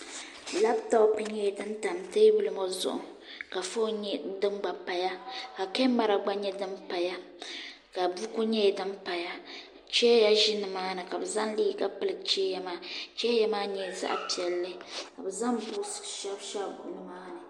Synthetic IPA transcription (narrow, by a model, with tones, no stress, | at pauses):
la˦btɔ˦pɨ˨˦ɲɛ˦˨dɨ˦nta˨mteː˦bɨ˦lɨ˦mo˦zʊ̰˦˨ʔʊ̰˨ | ka˨fo˦ɲɛ˦dɨ˦mɡ͡ba˨pa˨ja˦ka˨ke˦mːa˦ɾa˨ɡ͡ba˦ɲɛ˦dɨ˦mpa˨ja˦ | ka˨bu˦ku˦ɲɛ˦˨dɨ˦mpa˨ja˦ | t͡ʃɛ˦ja˦ʒɪ˦nɨ˨maː˦nɨ˨ka˨bɨ˨za˦ŋliː˦˨ka˦pɨ˦lɨ˨t͡ʃɛ˦ja˦maː˦t͡ʃɛ˦ja˦maː˦ɲɛ˦˨za̰˦ʔpi˨ɛ˨lːɨ˦ka˨bɨ˨za˦ŋbu˦sʃɛ˦bʃa˦ɡu˨nɨ˦maː˦nɨ˨